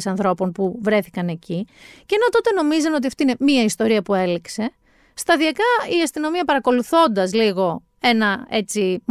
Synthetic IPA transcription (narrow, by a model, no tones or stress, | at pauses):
sɐnθɾo̞po̞npuvɾe̞θikɐne̞ciceno̞t̪o̞t̪e̞no̞mizɐno̞t̪̬iɐft̪oine̞miɐist̪o̞ɾiɐpue̞likse̞ | st̪ɐðiɐkɐiɐst̪ino̞miɐpɐɾɐko̞luθo̞nd̪ɐzliɣo̞ | e̞nɐe̞t͡sim